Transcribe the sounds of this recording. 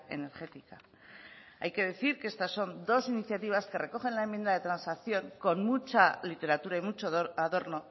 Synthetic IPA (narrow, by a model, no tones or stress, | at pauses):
e̞̰ne̞ɾxe̞t̪ika | a̰jke̞ð̞e̞θiɾkee̞st̪asːo̞nd̪o̞siniθjat̪iβ̞aske̞re̞ko̞χe̞nlae̞mːje̞nd̪aðe̞t̪ɾansakθjo̞ŋko̞nmut͡ʃalit̪e̞ɾat̪uɾaimut͡ʃoaðo̞ɾno̞